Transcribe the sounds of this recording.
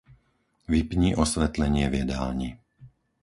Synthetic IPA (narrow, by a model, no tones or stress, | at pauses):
ʋipɲiːʔɔsʋɛt̪lɛɲɪɛvjɛd̪aːɲi